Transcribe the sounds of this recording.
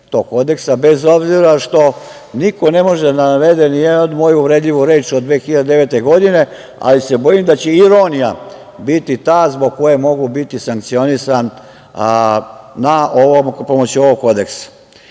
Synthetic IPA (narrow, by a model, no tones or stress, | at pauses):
t̪o̞ɡ̚ko̞d̪e̞ksabe̞zo̞bziɾaʃt̪o̞ | niko̞ne̞mo̞ʒenaʋe̞d̪enijed̪od̪mo̞juːʋɾe̞d̪ʎiʋuɾe̞ːt͡ʃod̪ʋeːxiʎad̪ed̪eʋe̞ːt̪eɡo̞d̪ine̞ | a̰lise̞bo̞jimd̪at͡ɕeiɾo̞nija̰ | bit̪it̪aːzbo̞ɡ̚ko̞jemo̞ɡubit̪isaŋkt̪sio̞nisan | aʔoʋompo̞mot͡ɕio̞ʋoɡko̞d̪e̞ksḁ